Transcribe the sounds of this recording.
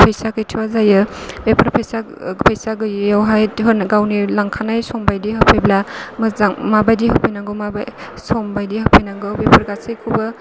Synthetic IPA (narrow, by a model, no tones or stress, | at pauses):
pʰajsakɯjtʰiwazajɯbepʰɐɾpʰajsa | pʰajsaɡɯjjawɦajtɦɯnɡawnilaŋkʰanajsɔmbajdiɦapʰajblamɯzŋmabajdiɦɯpʰɯjnaŋɡɯwmaba̰sɔmbajdihapʰajnaŋɡɯwbepʰɐɾɡasijkʰubɯ